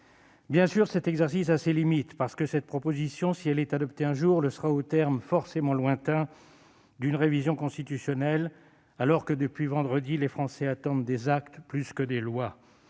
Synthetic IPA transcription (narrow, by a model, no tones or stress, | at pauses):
bjɛ̃syʁsɛt̪ɛɡzɛʁsis̬aselimit̪paʁsə̥kəsɛt̪̚pχɔpozisjɔ̃siɛlɛt̪ad̪ɔpt̪eɛ̃ʒuʁləsəʁaot̪ɛʁmfɔʁsemɑ̃lwɛ̃t̪ɛ̃ | d̪ynʁevizjɔ̃kɔ̃st̪it̪ysjɔnɛl | alɔʁkəd̪əpɥivɑ̃d̪ʁəd̪ilefχɑ̃sɛat̪ɑ̃d̪d̪ezakt̪plyskəd̪elwa